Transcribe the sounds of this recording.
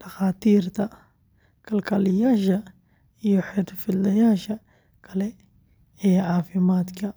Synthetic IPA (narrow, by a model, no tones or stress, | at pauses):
d̪̥axaːt̪iːɾt̪a | kalkaljaʃa | juħid̪filːajaːʃa | kale | ejaʕaːfimaːt̪ka